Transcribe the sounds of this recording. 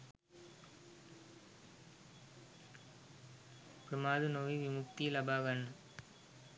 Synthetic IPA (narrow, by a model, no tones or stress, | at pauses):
pɾɐmaːðɯnoʋiʋɪmʊk̚t̪ilɐbaːɣɐn